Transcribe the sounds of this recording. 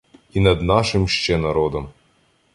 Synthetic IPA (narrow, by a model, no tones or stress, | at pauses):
inɐd̪nɑʃɪmʃt͡ʃɛnɐɾɔd̪ɔm